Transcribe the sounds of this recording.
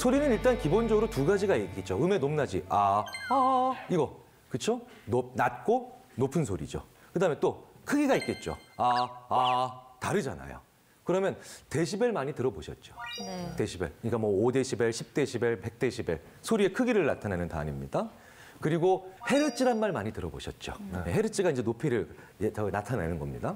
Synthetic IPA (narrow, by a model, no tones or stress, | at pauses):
sʰoɾinɯniɭt͈ankibond͡ʑʌɡɯɾotuɡad͡ʑiɡaik͈it̚t͡ɕ͈oɯme̞nomnad͡ʑḭa | iɡʌ | kɯt͡ɕʰononat̚k͈o | nopʰɯnsʰoɾḭd͡ʑo̰ | kɯdaːment͈okʰɯɡiɡait̚k͈e̞t̚t͡ɕ͈o̰aː | taɾɯd͡ʑa̰na̰jo̰ | kɯɾʌmjʌnte̞ɕʰibe̞ɭmaɲitɯɾʌboɕʰʌt̚t͡ɕ͈o̥te̞ɕʰibe̞̰ɭkɯɲik͈amwʌːde̞ɕʰibeɕʰip̚t͈e̞ɕʰibeɭpe̞k̚t͈e̞ɕʰibe̞̰ | sʰoɾie̞kʰɯɡiɾɯɭnatʰanenɯnta̰nimɲida | kɯɾiɡohe̞ɾɯt͡ɕ͈ʰiɾanmaɭmaɲitɯɾʌbo̰ɕʰʌt̚t͡ɕ͈o̰jeɦe̞ɾɯt͡ɕ͈ʰiɡaind͡ʑenopʰeɾɯɭʌnatʰanḛnɯnɡʌmɲḭda